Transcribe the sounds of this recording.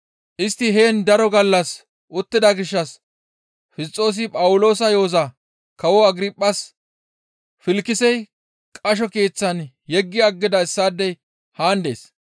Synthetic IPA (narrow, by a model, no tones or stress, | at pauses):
ʔɪst̪ːɪɦeːnd̪ɐɾɔɡɐlːɐs | ʔʊt̪ːɪd̪ɐɡɪʃːɐs | fɪst͡sʼːo̞ːs̬ɪpʼɐwʊlo̞ːsɐjo̞ːzɐ | kɐwɔɐɡɾɪpʼːɐs | fɪlkːɪsɛj | kʼɐʃ̬ɔke̞ːt͡sːɐn | jɛɡːɪɐɡːɪd̪ɐɪsːaːd̪ːɛj | haːnd̪e̞̰ːs